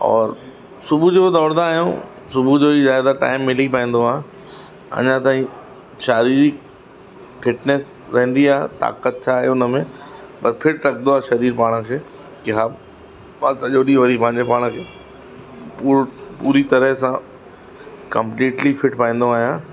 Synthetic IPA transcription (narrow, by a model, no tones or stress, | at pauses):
ɔ̰ːɾ | sʊbʱud͡ʑod̪ɔːɾd̪aːɦjõ̰ | sʊbʱud͡ʑoːizjaːjd̪aʈa̰ːɪmːɪlip̬aːĩːn̆d̪oaːɦ | ɐ̰ɲãt̪aːɦĩ | ʃaːɾiːɾi | fɪʈnɛs | ɾɐɦɪ̃nd̪iaːɦḛt̪a̰ːkət̪̚t͡ɕʰaːɦeʊnə̆mẽpɐsfʰɪʈɾɐkʰnd̪oaːɦʃɐɾiːɾpaːɽ̃̆kʰeː | kɪɦaː | mãsɐʄoɗiʋɐɾipɐ̃ɦɪɲd͡ʑepaːɽ̃kʰeː | puːpuːɾit̪ɐɾəsã | kɐ̃mpliːʈlifɪʈpaːĩːn̆d̪oaːɦijãː